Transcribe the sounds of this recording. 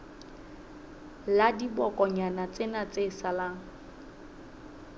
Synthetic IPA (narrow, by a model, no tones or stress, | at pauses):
ladibɔkʼɔɲanat͡sʼɪnat͡sʼeːsalaŋ̩